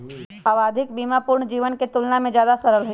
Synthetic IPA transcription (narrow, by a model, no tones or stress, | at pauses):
aəʋaːd̪ʱɪkbiːmapʊːɾɳd͡ʒiːʋənket̪ʊlnamẽd͡ʒjaːd̪asəɾəlɦo